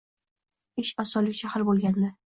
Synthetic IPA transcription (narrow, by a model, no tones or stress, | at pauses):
ɪʃɒsɒlɪkʲʃahaɾbolˠɡʲand̪ɪ